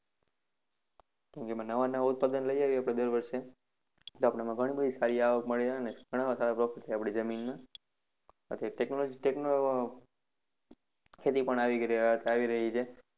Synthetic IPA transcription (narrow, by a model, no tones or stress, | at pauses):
kãmkemãnəʋanaʋaʊt̪̚pad̪ənləijaʋjapɽ̃ed̪əɾʋəɾʃe | t̪oapɽamãɡʱəɽ̃ibəd̪ʱisaɾiaʋəkməɭiɾəɦaneɡʱəɽ̃aʋasaɾapɾɔfiʈt̪ʰiapɽ̃id͡ʒəminmã | a̰t̪ʰeʈeknolod͡ʒiʈekno | kʰet̪ipəɳaʋit̪ʰeaʋiɾəɦit͡ʃʰe